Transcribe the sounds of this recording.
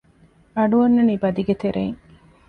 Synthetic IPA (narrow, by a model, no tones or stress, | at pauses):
ɐɖuɐnːɐnibɐd̪iɡet̪eɾʔḛːŋ